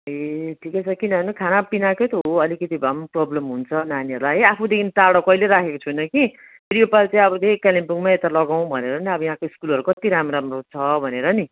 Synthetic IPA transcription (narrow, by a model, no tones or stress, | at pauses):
eʈʰikʌt͡sʰʌkinʌʌnikʰanapinaket̪oɦoʌlikʌt̪ibʱamprʌblʌmɦunt͡sʰʌnaniʌɾlaɦeapʰud̪ekʰint̪aɽʌkʌileɾakʰekot͡sʰunʌki | pɾijopalt͡saĩʌbʌlekalimpuŋmaet̪alʌɡaw̃bʱʌneɾʌniʌbʌjɦãkoiskulʌɾukʌt̪iɾamɾamrot͡sʰʌbʱʌneɾʌni